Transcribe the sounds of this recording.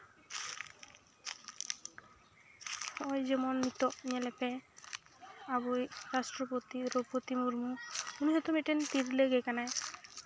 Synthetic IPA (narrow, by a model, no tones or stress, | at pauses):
ɔjd͡ʒemɔnmit̪ɔmielepɛ | abujɾasʈɾɔpot̪iɾopot̪imuɾmuuniɦet̪omiʈent̪iɾleɡekanaj